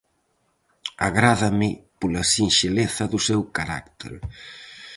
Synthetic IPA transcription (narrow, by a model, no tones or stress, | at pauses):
aɣɾaðamɪpolasinʃeleθɐðusɛwkaɾa̰kt̪ḛɾ